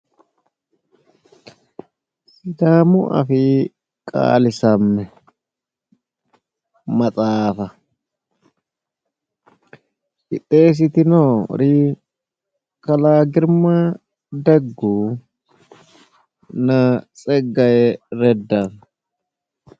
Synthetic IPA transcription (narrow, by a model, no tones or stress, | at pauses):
sɪd̪aːmʊʔɐ̰fɪ | kʼa̰ːlɪsɐmːɛ | mɐt͡sʼaːfɐ | kɪt̪ʼːeːs̬ɪt̪ɪnoːɾiː | kɐlaːɡɪɾma | d̪ɐɡːuː | nɐt͡sʼɛɡːɐjɛɾɛd̪ːɐ